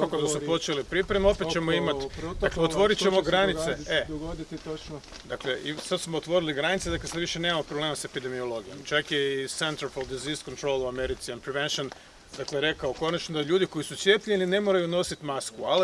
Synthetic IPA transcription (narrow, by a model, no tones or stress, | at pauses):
kakod̪asupo̞t͡ʃelipɾipɾemeo̞pet̪t͡ʃemoimat̪d̪aklleot̪ʋo̞ɾit̪t͡ʃ̪emo̞ɡɾanit̪see | d̪akleisad̪smoot̪ʋo̞ɾiliɡɾanit̪sed̪akleseʋiʃenemamopɾoble̞ːmase̞pid̪e̞mio̞lˠo̞ɡijo̞mt͡ʃakjesent̪ɾfold̪iziskont̪ɾo̞lˠuameɾit̪sianpɾiʋenʃon | d̪akleɾe̞kaoko̞nat͡ʃnod̪aʎuːd̪iko̞jisut̪sʲje̞pʎenine̞moɾajuno̞sit̪maskual